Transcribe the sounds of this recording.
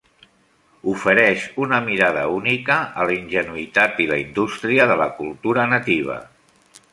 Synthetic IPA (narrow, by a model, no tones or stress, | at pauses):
ufəɾɛʃunəmiɾaðəunikəːləinʲʒənuit̪at̪iləind̪ust̪ɾiəðələkulˠt̪uɾənət̪iβ̞ə̰